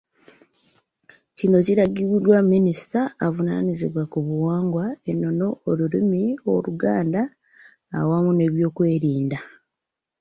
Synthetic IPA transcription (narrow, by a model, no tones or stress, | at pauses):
cino̞ciɾaɡiβudwamːinisi̥taːvunaniziβwakuβuwaːŋɡwaenːo̞no̞olulimio̞luɡaːnda̰ː | wamune̞βjo̞ːkwe̞ːɾiːnda